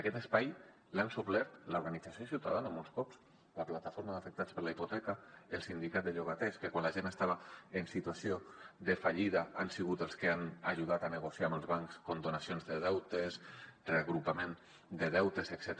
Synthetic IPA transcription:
akɛt̪əspaj | lansuβlɛɾt̪lauɾɣanid͡zasiosiwt̪a̰ðanamolskɔpz | laplat̪afoɾmaðəfək̚t̪att͡spəɾlaiput̪ɛkaəlˠsind̪ikat̪̚d̪əʎoɣat̪ɛskəkwanlaʒenəst̪aβaənsit̪uasioðəfaʎiðaansiɣut̪əlˠskəanaʒuð̞at̪anəɣ̞osiambəlˠzβaŋkskont̪onasionzðəðɛwt̪esreaɣɾupamen | d̪əðɛwt̪eseksɛt̪

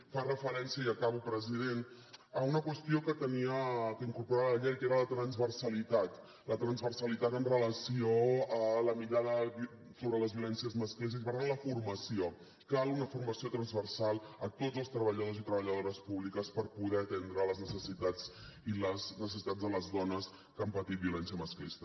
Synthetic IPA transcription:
farəfəɾɛnsiəiəkaβupɾəziðen | əunəkwəst̪iokət̪əniəkəiŋkuɾpuɾaβəəʎɛɾkeɾələt̪ɾənzβərsəlit̪at̪ | lət̪ɾənzβərsəlit̪at̪ənrələsioələmiʎaðəβ | soβɾələzβjulɛnsiəzməsklis̬isipəɾt̪anləfurməsio | kalˠunəfurməsiot̪ɾənzβərsalˠət̪od͡zəlˠst̪ɾəβəʎəðozit̪ɾəβəʎəðoɾəspuβlikəspəɾpuðɛət̪ɛnd̪ɾələznəsəsit̪ad͡ziləznəs̬əsit̪ad͡zðələzðɔnəs | kampət̪it̪̚biulɛnsijəməsklist̪ə

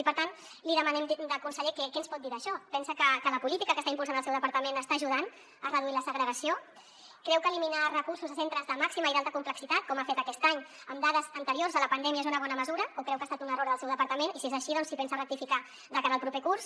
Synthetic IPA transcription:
ipəɾt̪an | liðəmənɛmd̪əkunsəʎekɛkɛənspɔt̪̚d̪iɾəːʃɔpɛnsəkəkələpulit̪ikəkəst̪aimpulˠanəlsɛwðəpəɾt̪əmẽnəst̪aːʒuð̞an | ərəðuiləsəɣɾəɾəsio | kɾɛwkəːliminarəkuɾsuzasent̪ɾəzðəmaksiməiðalˠt̪əkumpləksit̪at̪̚kɔmafet̪əkɛst̪aɲ | əmd̪aðəzənt̪əɾiorzələpənd̪ɛmiezunəβ̞ɔnəməzuɾəokɾɛwkaːst̪at̪unəroɾðəlˠsɛwðəpəɾt̪əmenisiezəʃiðɔnssipɛnsərək̚t̪ifika | ðəkaɾəlˠpɾupekurs

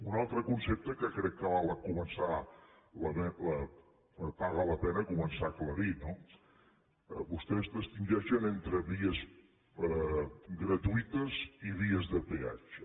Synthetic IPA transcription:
unalˠt̪ɾəkunsep̚t̪əkəkɾɛkːəβalˠəkumənsa | ləβɛlə | əpaɣələpɛnəkumənsakləɾino | βust̪ɛzðəst̪inʲd͡ʒɛʃənent̪ɾəβiəz | ɡɾət̪uit̪əziβiəzðəpea̰d͡ʒə

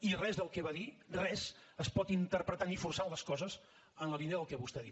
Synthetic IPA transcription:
irɛzðəlˠkɛβaðirɛzəspɔt̪int̪əɾpɾət̪anifursaləskɔzəz | ənləβineəðəlˠkɛβust̪ɛði

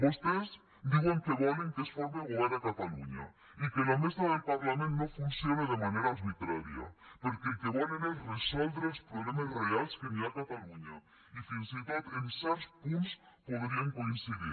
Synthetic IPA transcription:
βoʃt̪ez | d̪iɣɐ̃w̃kɐβɔlɐk̪ɐsfɔɾmɐɣolˠaɾɐkɐt̪ɐlˠṵɲɐ̰ | ikɐnɐmiʃt̪ɐðɐlpɐɾlˠɐmẽnt̪unɐ̃w̃fũsjonɐðɐmɐnejɾaɾβit̪ɾaɾiɐ̰puɾkɨ̃k̪ɐβɔnɐnɐ̃w̃rɨsɔlˠvɾɐuʃpɾuβlemɐzrialʃkɨɾiaɾɐt̪ɐlˠuɲɐ | ifĩsit̪at̪ẽsɛɾuʃpũʃ | poðɾiɐ̃w̃kõĩsiðḭɾ

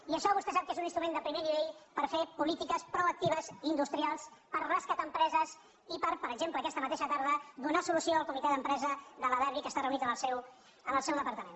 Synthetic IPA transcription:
iəʃɔβ̞ust̪ɛsap̚kezuninst̪ɾumẽnd̪əpɾimeniβ̞eʎpəɾfepulit̪ikəspɾoək̚t̪iβ̞əzind̪ust̪ɾialˠspəɾraskat̪əmpɾɛzəz | ipəɾpəɾəɡzempləːkɛst̪əmət̪eʃət̪aɾð̞əd̪unasulusioəlˠkumit̪ɛðəmpɾɛzəðələðɛβikəst̪arəunit̪əməlˠsɛw | əməlˠsɛwðəpəɾt̪əmen

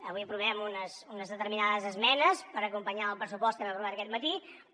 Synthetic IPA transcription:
əβujəpɾuβɛmunəsunəzðət̪əɾminaðəzəzmɛnəspəɾəkumpəɲaəlˠpɾəs̬upɔst̪ənəruβɛɾəkɛt̪mət̪i

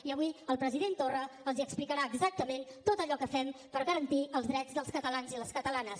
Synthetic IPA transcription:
iəβiəlˠpɾəziðent̪orəəlˠziəksplikəɾaːɡzak̚t̪əment̪ot̪əʎɔkəfɛmpəɾɣəɾənt̪iəlˠzðɾɛd͡zðəlˠskət̪əlanziləskət̪əlanəs

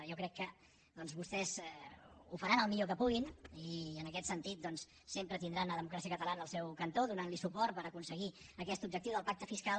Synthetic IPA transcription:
jɔkɾɛkːə | d̪ɔnzβust̪ɛz | ufəɾanəlˠmiʎokəpuɣiniənəkɛt̪sənt̪it̪̚d̪ɔns | sempɾət̪ind̪ɾanəðəmukɾasiəkət̪əlanəːlˠsɛwkənt̪oðunanlisupɔɾt̪pəɾəkunsəɣiəkɛst̪ub̚d͡ʒək̚t̪iwðəlˠpak̚t̪əfiskal

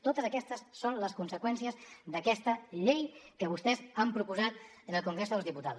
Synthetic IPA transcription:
t̪ot̪əzəkɛst̪əsːonləskunsəkwɛnsiəzðəkɛst̪əʎejkəβ̞ust̪ɛzampɾupuzat̪ | ənəlˠkuŋɡɾezðəlˠzðiput̪a

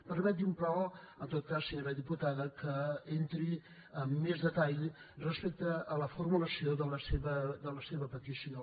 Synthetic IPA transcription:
pəɾmɛt̪iumpɾɔ | ənt̪ot̪̚kasːəɲoɾəðiput̪aðəkəent̪ɾi | əmːezðət̪aʎ | rəspek̚t̪əːləfurmuləsioðələseβəd̪ələseβəpət̪isio

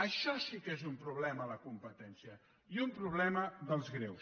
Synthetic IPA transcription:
əʃɔsikezumpɾuβ̞lɛmələkumpət̪ɛnsiə | iumpɾuβ̞lɛməðəlˠzɣɾews

